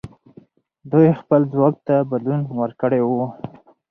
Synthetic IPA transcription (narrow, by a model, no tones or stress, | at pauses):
d̪ujxpəlzwɑk̚t̪abad̪lunwəɾkəɽewu